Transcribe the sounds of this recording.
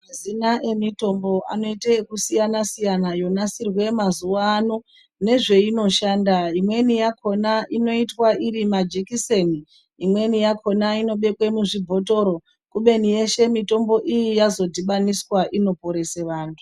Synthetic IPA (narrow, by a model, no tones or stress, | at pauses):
mazinaʔe̞mito̞mbo̞ʔano̞itekusijanasijanajo̞nasirwe̞mazuwaːno̞ | ne̞ʐe̞ino̞ʃaːndaimwe̞nijakʰo̞naʔino̞itwaiɾimad͡ʒekiseni | imwe̞nijakʰo̞naino̞ɓe̞kwe̞muʐibʱo̞to̞ɾo̞ | kuɓe̞nije̞ʃe̞mito̞mbo̞ʔijijazo̞dʱiɓaniswaʔino̞po̞ɾe̞seʋaːntʰu̥